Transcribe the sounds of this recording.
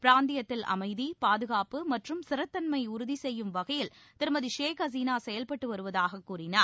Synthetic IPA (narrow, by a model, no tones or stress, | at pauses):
pɪɾaːnd̪ɪjɐt̪ːɪlʔɐ̰mɐɪðipaːðɯɣaːpɯmɐʈrɯmsɪɾɐt̪ːɐnmɐɪʊɾʊðisɛjːɯmʋɐɣɐjɪl | t̪ɪɾmɐðiʂeːkɐz̬iːnaːsɛjɐlpɐʈːɯʋɐɾɯʋɐðaːɣɐkːuːrɪnaːɾ